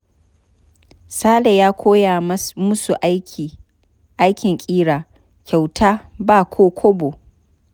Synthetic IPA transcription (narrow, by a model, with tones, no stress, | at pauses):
saː˦le˨jaː˦kʰʷoː˦ja˨mʊ˦su˨ʔa˦i˨ | ʔa˦jkʲɪ˨ŋkʲʼiː˦ɽaː˨ | kʲa˨wtʰaː˦baː˦˨kʷʰoː˦kʷʰo˦bo˨